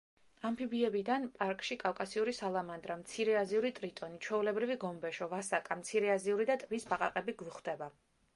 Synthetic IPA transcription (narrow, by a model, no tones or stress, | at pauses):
ampʰibiɛbid̪anpʼaɾkʼʃikʼafkʼasiuɾisalˠamand̪ɾamt̪sʰiɾɛaziuɾit̪ʼɾit̪ʼɔnit͡ʃʰwɛulɛbɾiviɡɔmbɛʃɔvasakʼamt̪sʰiɾɛaziuɾid̪at̪ʼvisbaqʼa̰qʼɛbiɡvuχd̪ɛba